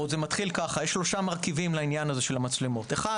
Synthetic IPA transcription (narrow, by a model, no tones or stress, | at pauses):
odzemat̪χilkaχajeʃːlo̞ʃamaʁkivimlainjanazeʃe̞lhamat͡slemot̪eχa